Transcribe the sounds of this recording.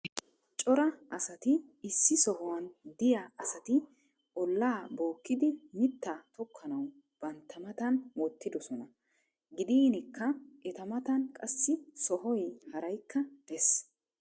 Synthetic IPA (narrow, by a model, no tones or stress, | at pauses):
t͡ʃʼɔɾɐʔɐsɐt̪ɪːsːɪsɔɦɔwɐnd̪ɪjɐɐsɐt̪ɪ | ʔɔlːaːbo̞ːkːɪd̪ɪmɪt̪ːɐt̪ɔkʰːɐnɐw | b̥ɐnt̪ʰːɐmɐt̪ɐnwɔt̪ːɪd̪ɔsɔnɐ | ɡɪd̪iːnɪkːɐʔɛt̪ɐmɐt̪ɐnkʼɐsːɪsɔɦɔjhɐɾɐjkʰːɐd̪̥ɛs